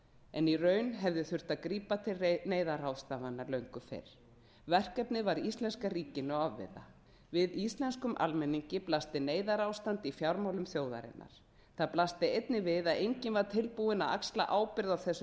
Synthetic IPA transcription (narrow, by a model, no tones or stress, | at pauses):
ɛnirœːɥnɦɛvðɪθʏr̥t̪aðkɾiːpat̪ʰɪlneːjðaɾawðst̪aːvanːaɾlœɥŋkʏfɪ̰ɾ̥ | vɛr̥kɛpnɪvaɾist̪lɛnskariːcɪnʏavːɪ̰ða̰ | vɪðist̪lɛnskʏmʔa̰lmɛnːiɲcɪplast̪ɪneːjðaɾawst̪ant̪ɪifjawɾmawlʏmθjoːwða̰ɾɪ̰nːʔa̰ɾ̥ | θaðplast̪ɪejt̪nɪvɪðaðejɲcɪnvaɾ̥t̪ʰɪlpuɪnaa̰ksla̰ʔaːwpɪɾðawθɛsːʏ